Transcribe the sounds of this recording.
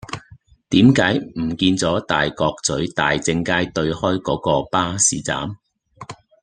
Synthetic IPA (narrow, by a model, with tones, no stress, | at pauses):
t̪iː˨˥mkaː˨˥jm̩˨˩kiː˧nt͡sɔː˨˥t̪aː˨jkɔː˧k̚t͡sɵ˨˥ɥt̪aː˨jt͡sɪ˧ŋkaː˥jt̪ɵ˧ɥhɔː˥jkɔː˨˥kɔː˧paː˥sḭː˨˥t͡sa̰ː˨˥m